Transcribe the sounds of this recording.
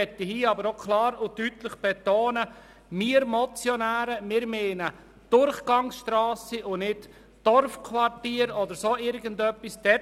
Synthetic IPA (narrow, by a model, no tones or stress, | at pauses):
ɛtihiːɑbəɾokʰlɑːɾʊtyːtləχb̥ɛt̪oːnə | miːəɾmɔt͡sjɔnæːɾəmɪːɾmeːnə | d̥ʊɾχɡ̥ɑŋsʃtɾaːsiʊnɪt | d̥ɔɾfkʰʋɑɾtiːɾɔd̪əɾsoːɪɾɡən̩dœpːisd̥ɛ